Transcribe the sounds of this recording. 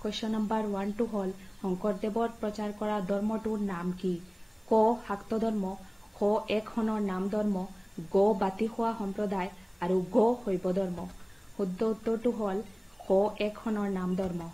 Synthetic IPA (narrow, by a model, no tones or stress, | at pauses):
kojsɔnambaɾwanʈuɦɔlhɔŋkɔɾd̪ebɔɾpɾɔt͡ʃaɾkɔɾad̪ʱɔɾmɔʈuɾnamki | kohakt̪ɔd̪ʱɔɾmɔ | kʰoekʰhɔnɔɾnamd̪ʱɔɾmɔ | ɡobat̪ihowaɦɔmpɾɔd̪aj | aɾuɡohojbɔd̪ʱɔɾmɔ | hud̪ːoud̪ːoʈuɦɔl | koʔekʰhɔnɔɾnamd̪ʱɔɾmɔ